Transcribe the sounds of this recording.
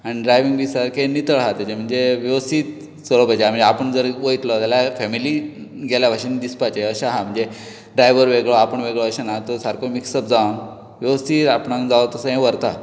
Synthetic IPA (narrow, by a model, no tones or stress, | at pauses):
añiɖɾajʋiŋɡʋisaɾkʰenit̪əɭɦat̪ad͡ʑem̤əɳd͡zeʋjeʋəst̪ʰiːt̪ | soɭopad͡ʑaam̤əɳd͡zeapəɳd͡zəɾʋojt̪lɔt̪jaljafɛmiliɡɛljabʱaɕind̪ispat͡ɕeəɕaɦãm̤əɳd͡ze | ɖɾajʋəɾʋeɡɭɔapəɳʋeɡɭɔaɕanat̪ɔsaɾkʰomiksəp̚d͡zaʋn | ʋjəʋəst̪ʰiːt̪apɳãd͡zaʋt̪əsəɦẽʋəɾt̪a